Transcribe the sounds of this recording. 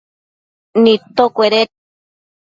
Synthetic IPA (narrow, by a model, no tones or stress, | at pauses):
nit̪okʷeɾe